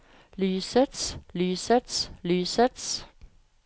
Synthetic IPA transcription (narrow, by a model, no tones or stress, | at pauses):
lyːsəd̥slyːsəd̪̥slyːsəds